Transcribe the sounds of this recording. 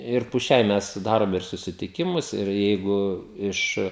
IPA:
ɪr pʊ ˈʃʲɛɪ ˈmʲɛs ˈdɑːroːm ɪr sʊsʲɪtʲɪˈkʲɪmʊs ɪr ˈjɛɪɡʊ ˈɪʃ

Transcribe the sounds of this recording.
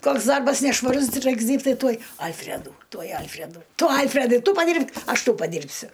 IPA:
ˈkoːks ˈdɐrbɐs nʲɛʃʋɐˈrʊs ˈrɐɪks ˈdʲiːrʲpʲtʲ ˈtɐɪ ˈtuɔj ˈɐlʲfʲrʲɛduː ˈtuɔj ˈɐlʲfʲrʲɛduː ˈtʊ ˈɐlʲfʲrʲɛdɐɪ ˈtʊ pɐˈdʲiːrʲpʲkʲ ˈɐʃ ˈtɐʊ pɐˈdʲiːrʲpʲsʲʊ

